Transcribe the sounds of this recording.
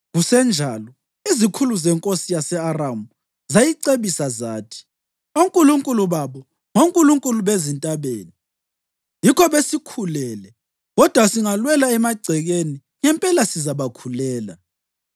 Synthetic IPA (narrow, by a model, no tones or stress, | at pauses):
ɣusɛnd͡ʒʱalɔ | izikʰuluzɛŋkʼosijasɛaramu | zajiǀeβisazaːtʰi̥ | oŋkʼuluŋkʼuluβaβɔ | ŋoŋkʼuluŋkʼuluβezintʼaβḛːni | jikʰɔβesikʰulɛːlɛ | ɣɔd̥ʱwasiŋalwɛlaɛmaɡ͡ǀʱɛɣeni | ŋɛmpʼɛlasizaβakʰulɛːla